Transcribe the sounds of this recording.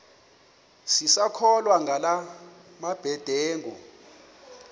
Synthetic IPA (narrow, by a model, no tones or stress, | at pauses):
sisakʰɔlwaŋʱala | mab̥ʱɛd̥ʱɛːŋɔ